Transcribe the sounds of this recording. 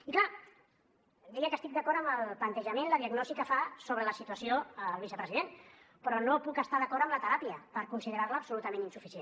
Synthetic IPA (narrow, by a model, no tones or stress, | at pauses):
ikla | d̪ɛəkəst̪ik̚d̪əkɔɾtəməlˠplənt̪əʒəmenləðiəɡnɔsikəfasoβɾələsit̪uəsioəlˠβ̞isəpɾəziðen | pɾɔnopukəst̪aðəkɔɾəmlət̪əɾapiəpəɾkunsiðəɾaɾləːpsulut̪əmẽninsufise